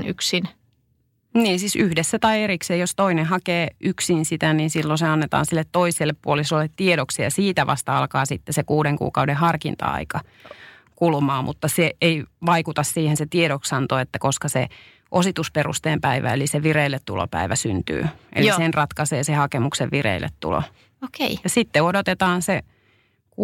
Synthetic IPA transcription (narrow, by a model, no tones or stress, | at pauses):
nyksin | niːnsiːsyhdesːæt̪ɑieɾikseːjost̪oinehɑkeːyksinsit̪æniːnsilːoseɑnːet̪ɑ̰ːnsilːet̪toiselːeppuolisolːet̪t̪ieɾoksejɑsiːt̪æʋʔɑ̰st̪ɑɑlkɑːsit̪ːesekuːdeŋkṵːkɑudehɑrkint̪ɑ̰ɑ̰ikɑ | kulmɑːmʔṵt̪ːɑseeiʋɑikut̪ɑssiːhenset̪ieɾoksɑnt̪oet̪ːækoskɑsḛ | ʔosit̪usperṵst̪eːmpæiʋæ̰ḛliseʋireilːet̪t̪ṵlo̰pæ̰iʋæsynt̪y̰ːʔḛlissenrɑt̪kɑseːsehɑkemukseʋʋirḛilːʔḛt̪t̪ṵlo̰ | okeijɑsit̪ːeodot̪et̪ɑːnse | k